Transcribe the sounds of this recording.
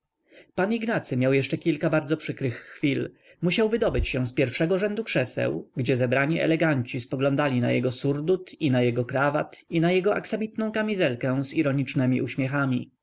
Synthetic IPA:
paniɡnat̪sɘmʲjawjɛʂt͡ʂɛkʲilkabaɾd̪zɔpʂɘkɾɘxːfʲil | muɕawvɘd̪ɔbɘt͡ɕɕɛ̃spʲjɛɾfʂɛɡɔʐɛnd̪ukʂɛsɛ̰wɡd͡ʑɛzɛbɾaɲiʔɛ̰lɛɡaɲt͡ɕispɔɡlɔ̃nd̪alʲina̰jɛɡɔsuɾd̪ut̪inajɛɡɔkɾava̰t̪inajɛɡɔʔaksamʲit̪nɔ̃w̃kamʲizɛlkɛ̃ziɾɔɲit͡ʂnɛmʲḭʔuɕmʲjɛxamʲi

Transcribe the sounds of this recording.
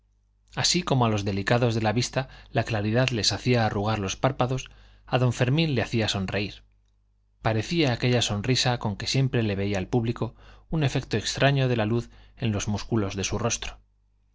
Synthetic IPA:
asiko̞moalo̞zðe̞likaðo̞zðe̞laβist̪alaklaɾiðaðle̞saθiaːruɣ̞aɾlo̞spaɾpaðo̞s | aðo̞ɱfe̞ɾmĩnle̞aθiaso̞nre̞iɾ | paɾe̞θiaːke̞ʎaso̞nrisako̞ŋke̞sje̞mpɾe̞le̞βe̞iaːlpuβliko̞une̞fe̞k̚t̪o̞ekst̪ɾaɲoðe̞laluθe̞nlo̞zmuskulo̞zðe̞suro̞st̪ɾo̥

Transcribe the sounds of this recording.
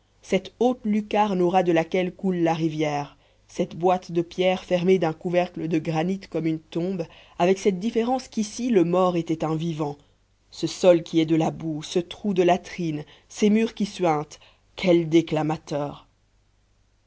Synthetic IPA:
sɛt̪ot̪lykaʁnɔʁad̪əlakʲɛlkulːaʁivjɛːʁ | sɛt̪bwat̪d̪əpjɛʁfɛʁmed̪ɛ̃kuvɛʁkləd̪əɡʁanit̪kɔmynt̪ɔ̃b | avɛksɛt̪̚d̪ifeʁɑ̃skʲisiləmɔʁet̪ɛt̪ɛ̃vivɑ̃ | səsɔlkʲiɛd̪əlabusət̪χud̪əlat̪χin | semyʁkʲiswɛ̃t̪ | kʲʰɛld̪eklamat̪œːʁ

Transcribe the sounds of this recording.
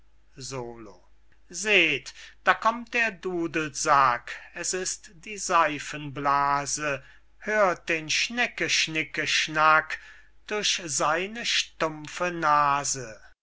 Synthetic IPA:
zoːloː | zeːtd̥aːkʰɔmt̚d̥eːɐduːdl̩z̥akɛsɪstd̥iːzaɪfənblaːzə | høːɐt̚d̥eːnʃnɛkəʃnɪkəʃnak | d̥ʊɐçzaɪnəʃtʊmfənaːzə

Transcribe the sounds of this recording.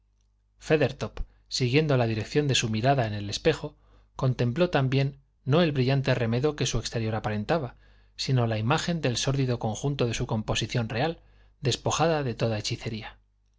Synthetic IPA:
fe̞ðe̞ɾt̪op | siɣje̞nd̪olaðiɾe̞kθjo̞nd̪e̞sumiɾaðae̞ne̞le̞spe̞xo̞ | ko̞nt̪ẽ̞mplo̞t̪ambje̞nː | o̞e̞lβɾiʎant̪e̞re̞me̞ðo̞ke̞sue̞kst̪e̞ɾjo̞ɾapaɾe̞nt̪aβa | sino̞laimaxe̞nd̪e̞lso̞ɾðiðo̞ko̞ŋxunt̪o̞ðe̞suko̞mpo̞siθjo̞nre̞al | d̪e̞spo̞xaðaðe̞t̪o̞ðae̞t͡ʃiθe̞ɾia

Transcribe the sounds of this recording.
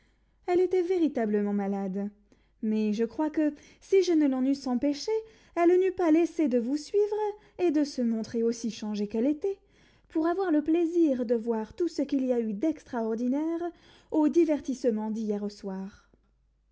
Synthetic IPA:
ɛlet̪ɛveʁit̪abləmɑ̃malad̪ | mɛʒəkχwakə | siʒənəlɑ̃nysɑ̃peʃe | ɛlnypalesed̪əvusɥivʁ | ed̪əsəmɔ̃t̪χeosiʃɑ̃ʒekɛlet̪ɛ | puʁavwaʁləpleziʁd̪əvwaʁt̪usəkiliayd̪ɛkst̪χaɔʁd̪inɛʁ | od̪ivɛʁt̪isəmɑ̃d̪ijɛʁoswaːʁ

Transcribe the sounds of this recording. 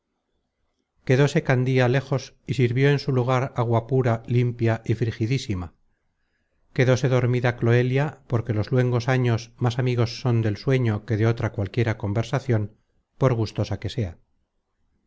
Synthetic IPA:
ke̞ðo̞se̞kand̪iale̞xo̞s | isiɾβjo̞e̞nsuluɣ̞aɾaɣwapuɾalimpjaʔifɾixiðisima | ke̞ðo̞se̞ðo̞ɾmiðaklo̞e̞ljapo̞ɾke̞lo̞zlwe̞ŋɡo̞saɲo̞smasamiɣ̞o̞sːo̞nd̪e̞lswe̞ɲo̞ke̞ðeo̞t̪ɾakwalkje̞ɾako̞mbe̞ɾsaθjo̞n | po̞ɾɣ̞ust̪o̞sake̞se̞a

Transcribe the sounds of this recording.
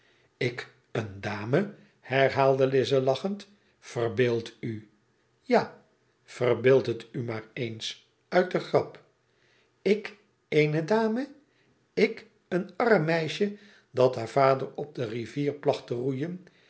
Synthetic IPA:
ɪk | əndaːmə | hɛɹɦaːlˠdəlɪzəlɑχənt | fərbeːlˠty | ja | fərbɪːlˠtɦətymaːɹejns | œɥt̚dəχrɑp | ɪk | ejnədaːmə | ɪk | ənɑrəmːɛjʃə | dɑtɦaːɹv̥aːdəɹɔb̚dəriviːɹplɑχtərujən

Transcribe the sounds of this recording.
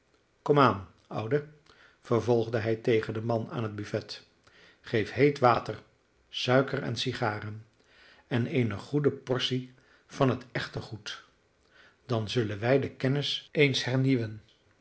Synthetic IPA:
kɔmaːn | ʌ̰wdə | vəɹvɔlˠχdəɦɛjtejχəndəmɑna̰ːnɦəd̚byfɛt | χejfɦejtʋaːtər | sœɥkərɛ̰nsiχaːrən | ɛnejnəχudəpɔɹsi | v̥ɑnɦətɛχtəχut | d̥ɑnzɵlənʋɛjdəkɛnɪsejnshɛɹniʋən

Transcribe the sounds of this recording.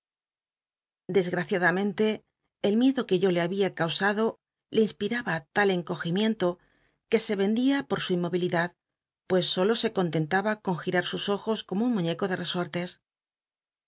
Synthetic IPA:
d̪e̞zɣɾaθjaðamẽ̞nt̪e̞ː | lmje̞ðo̞ke̞ʝo̞le̞aβiakawsaðo̞ | linspiɾaβat̪ale̞ŋko̞ximje̞nt̪o̞ | ke̞se̞βe̞nd̪iapo̞ɾsuimːo̞βiliðað | pwe̞sːo̞lo̞se̞ko̞nt̪e̞nt̪aβako̞ŋxiɾaɾsuso̞xo̞sko̞mounmuɲe̞ko̞ðe̞re̞so̞ɾt̪e̞s

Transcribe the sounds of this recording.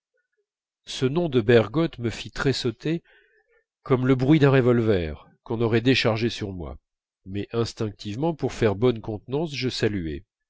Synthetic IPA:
sənɔ̃d̪əbɛʁɡɔt̪məfit̪χɛsɔt̪e | kɔmləbʁɥid̪ɛ̃ʁevɔlvɛʁ | kɔ̃nɔʁɛd̪eʃaʁʒesyʁmwa̰ | mɛʔɛ̃st̪ɛ̃k̚t̪ivmɑ̃puʁfɛʁbɔnkɔ̃t̪nɑ̃sʒəsalyɛ̰

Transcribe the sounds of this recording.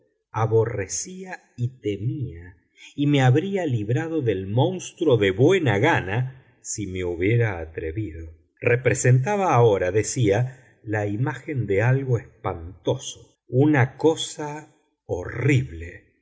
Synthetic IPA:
aβo̞resia | it̪emia | imeaβɾialiβɾaðo̞ðelmõ̞nst̪ɾoðe̞βwe̞naɣana | simeuβje̞ɾaːt̪ɾeβiðo | rʔepɾesent̪̬aβaːoɾaðe̞sia | laimaxe̞nd̪ealɣo̞espant̪o̞so̥ | unakosa | oriβle

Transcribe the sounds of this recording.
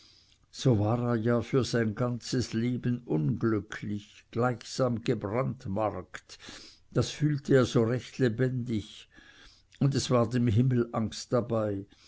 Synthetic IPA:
z̥oːvaːʁeːɐjaːfyːɐzaɪnɡant͡səsleːbənʔʊnɡlʏkʰlɪçɡ̥laɪçsaːmɡ̥əbʁantmaʁkt | d̥asfyːltʰəeːɐz̥oːʁɛçtlebɛndɪç | ʊndɛsv̥aːɐdeːmɦɪml̩ʔaŋstd̥abaɪ

